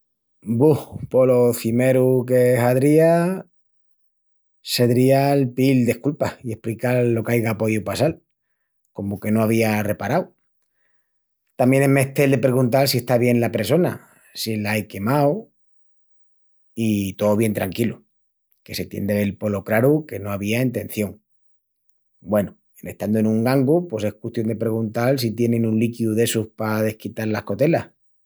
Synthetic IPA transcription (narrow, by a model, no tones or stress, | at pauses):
buhpo̞loθime̞ɾuke̞ɦaðɾia | se̞ðɾialpild̪e̞hkulpaie̞hplikaɾlo̞kajɣapo̞ʝupasal | ko̞moke̞no̞aβ̞iare̞paɾaw | t̪amje̞nemeht̪eld̪e̞pɾe̞ɣunt̪alsie̞ht̪aβje̞nlape̞so̞na̰ | silaeke̞maw | it̪oːβ̞je̞nt̪ɾaŋkilu | ke̞se̞t̪je̞̰nd̪eβelpo̞lo̞kɾaɾuke̞no̞aβ̞iaeint̪e̞n̟θjo̞ŋ | bwe̞no | ene̞ht̪and̪oe̞nũŋɡaŋɡupwe̞se̞hkweht̪jo̞nd̪e̞pɾe̞ɣ̞unt̪als̬it̪je̞nẽ̞nũnlikiuðe̞suhpaðe̞hkit̪aɾlahko̞t̪e̞lah